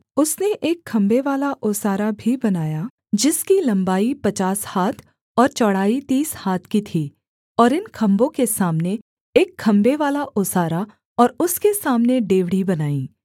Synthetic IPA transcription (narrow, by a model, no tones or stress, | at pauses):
ʊsneʔeːkʰːɐ̃mbeʋaːlaʔʊːsaːɾabʱibɐnaːja | d͡ʒɪskilɐ̃mbaːipɐt͡ʃaːshaːt̪ʰ | ɔːɾt͡ʃɔɽ̤aːit̪iːshaːt̪ʰkit̪ʰiː | ɔːɾɪnkʰɐ̃mbõkesaːmne | eːkʰːɐ̃mbeʋaːlaʔʊːsaːɾa | ɔːɾʊskesaːmneɖeːʋɽibɐnaːĩː